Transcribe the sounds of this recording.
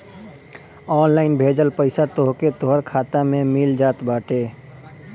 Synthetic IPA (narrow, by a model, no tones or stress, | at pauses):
ɔːnlaːɪnbʱeːd͡ʒəlpəɪsat̪oːɦket̪oːɦəɾkʰaːt̪amẽmiːld͡ʒaːt̪baːʈeː